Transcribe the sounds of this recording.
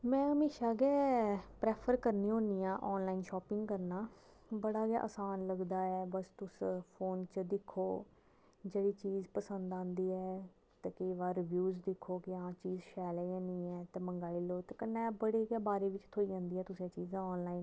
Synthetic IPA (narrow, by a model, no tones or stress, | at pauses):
mɛ̃ːɦəmeːʃaːɡɛːpɾɛːpʰəɾkəɾnĩːɦõːniːãːʔɔːnlaːinʃɔːpɪŋɡkəɾnaː | bəɽaːɡja̰ːʔə̰saːnləɡd̪aːɛːbəst̪ʊspʰoːnt͡ʃəd̪ɪkʰːoː | d͡ʒeːɽiːt͡ʃiːzpəsənd̪ãːnd̪iːɛː | t̪eːkeʋaːɾɪʋjuːzd̪ɪkʰːoːkɪãːt͡ʃiːzʃɛːlɛːãːniːɛːt̪ɛːməŋɡaːliːloːt̪eːkənːɛːbəɽeːɡaːbaːɾeːʋɪt͡ʃt̪ʰoːid͡ʒãːnd̪iːɛːt̪ʊsẽːt͡ʃiːzãːɔːnlaːiːn